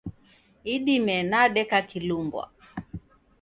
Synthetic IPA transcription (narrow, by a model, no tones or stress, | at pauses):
iɗimɛnaɗɛkakilumbwa̰